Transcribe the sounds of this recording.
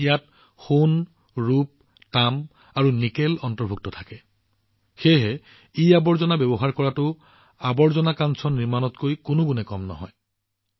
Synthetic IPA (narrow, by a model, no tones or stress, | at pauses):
ijat̚ | xun | ɹup̚ | tam | aɹunikelɔntɔɹbʱuk̚tɔtʰakɛ | xeɦɛ | iabɔɹzɔnabɛbɔɦaɹkɔɹatʊ | abɔɹzɔnakansʰɔniɹmanɔtkojkʊnʊɡunɛkɔmnɔ̰ɦɔ̰j